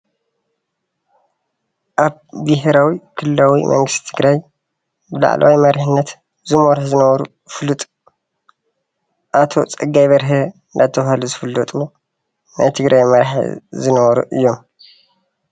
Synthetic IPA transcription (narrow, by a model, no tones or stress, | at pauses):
ʔaβbiɦeɾawikʰɨllawimʔɐ̰ŋɡɨst̪i̥t̪ʰɨɡɾaj | bɨla̰ʕ̰lʔa̰wimɐɾħɨnːɐt̪ | zɨmoɾħzɨnɐβɐɾṵ | fɨlɨt̪ʼ | ʔat̪ʰo̞t͡sʼɨɡːajβɐɾɦe | nd̪at̪ʰːɐβhaluzɨfɨlːɐt̪ʼu | nʔa̰jt̪ʰɨɡɾʔajmɐɾħzɨnɐβɐɾṵʔɨjːo̞m